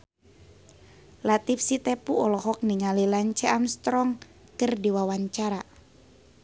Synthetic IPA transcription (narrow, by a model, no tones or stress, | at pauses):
lat̪ifsit̪ɛpuɔlɔɦɔk̚niŋalilaɲt͡ʃɛʔamst̪ɾɔŋ | kərdiwawaɲt͡ʃaɾa